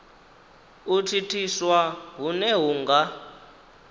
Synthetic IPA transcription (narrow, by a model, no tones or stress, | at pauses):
utʰitʰiswaɦunɛɦuŋɡa